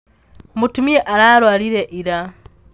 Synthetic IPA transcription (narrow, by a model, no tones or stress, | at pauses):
mutumieʔaɾaːɾwaːliɾeʔiɾa